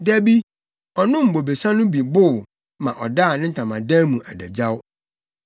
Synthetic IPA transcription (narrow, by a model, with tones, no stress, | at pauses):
dæ˦bi˦ | ɔ˨nʊ̃˦m̩˨bo˨be˨sa˦nʊ̃˦bi˨bʊ˦˨w | mã˨ʔɔ˨da˦˨nɪ̃˦˨tʰã˨mã̰˨dæ̃ː˦mũ˨ʔæ̰˨dæ̰˨d͡ʑa˦w